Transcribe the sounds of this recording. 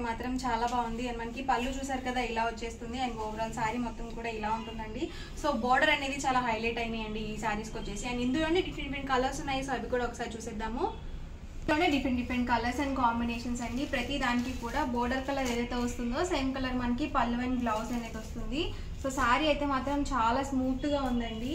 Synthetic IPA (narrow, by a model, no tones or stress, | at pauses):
maːt̪ɾɐmt͡ʃaːlaːbaːund̪iɐnimɐnɐkipɐlːut͡ʃuːs̬aːɾukɐd̪aːilaːʋot͡ʃːe̞ːst̪und̪iaːjnɐoːʋɐɾɐlsaːɾimɔt̪ːɐmkuːɽaːilaːuɳʈund̪ɐɳɖi | so̞ːbɔːɾɖɐɾɐneːd̪it͡ʃaːlaːɦɐjleːʈɐjnijɐɳɖiːsaːɾiskot͡ʃːe̞ːsianiind̪uloːɳɖeɖipʰeɳɖipʰeɳɖkɐlɐɾsunːaːjisoɐbikuːɽaːɔkːɐsaːɾit͡ʃuːsɛːd̪ːaːmu | oɳeɖipʰeɳɖipʰɾeɳɖkɐlɐɾsɐnikaːmbineːʂɐnsɐɳɖipɾɐt̪id̪aːnikikuːɽaːbɔːɾɖɐɾkɐlɐʋeːd̪ɐjt̪eːʋɐst̪und̪o̞ːsejɐmkɐlɐɾmɐnkipɐlːʋɐniɡloːsɐneːt̪ost̪und̪i | soːsaːɾiɐjt̪e̞ːmaːt̪ɾɐmt͡ʃaːlaːsmuːkt̪uɡaːund̪ɐɳɖi